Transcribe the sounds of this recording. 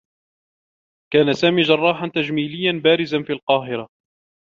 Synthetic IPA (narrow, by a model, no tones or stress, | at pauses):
kaːnasaːmiːʒɑrˤːɑːħant̪ad͡ʒmiːlɪjːanbaːɾɪzanfiːlqɑːɦɪɾa